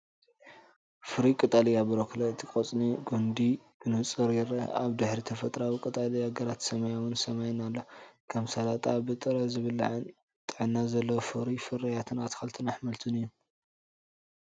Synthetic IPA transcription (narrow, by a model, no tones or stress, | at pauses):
fɨɾikʼɨt̪ʼalijabɐɾokʰlɐɨt̪ʰikʼot͡sʼniɡond̪ikʰɨnɨt͡sʼɨɾjɪɾɐaβd̪ɨħɾit̪ʰɐfɐt̪ʼɾawikʼɨt̪ʼalijaɡɐɾat̪sɐmɐjawɨnsɐmajnalːɐkʰɐmsalat̪ʼabɨt̪ʼɨɾɐzɨβɨla̰ʕɨn | t̪ʼɨʕɨnːazɐlːɐwfɨɾifɨɾɐjat̪ʰɨnat̪ʰxɐlt̪ʰɨnaħmɐlt̪ʰunɨjːu